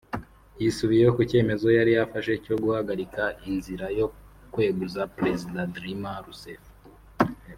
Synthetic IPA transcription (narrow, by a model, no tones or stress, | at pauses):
jisuβijejokuce̞ːme̞zo̞jaɾijafaʃe̞co̞ɡuhaɡaɾikaʔinziɾajo̞ | kwe̞ːɡuzapɾezidadɾimaɾusef